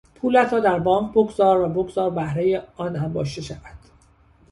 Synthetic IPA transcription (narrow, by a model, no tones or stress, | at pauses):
pʰuːlæt̪ʰɾɒːd̪æɾbɒːŋkʰboɡzɒːɾvæboɡzɒːɾbæhɾe̞jeɒːnhæmbɒ̰ːʃt̪e̞ʃævæd̪̥